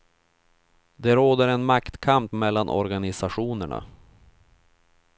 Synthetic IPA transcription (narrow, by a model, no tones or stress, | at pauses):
d̪ɛɾoːd̪əɾɛnmakt̪kʰampmɛlːanʔɔ̰ɾɡanɪsaɧuːnəɳa̰